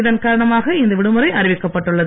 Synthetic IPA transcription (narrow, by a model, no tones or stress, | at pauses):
ðɐnkaːɾɐɳɐmaːɣɐɪnd̪ɐʋɪɽɯmɯɾɐɪʔɐɾɪʋɪkːɐpːɐʈːɯɭːɐð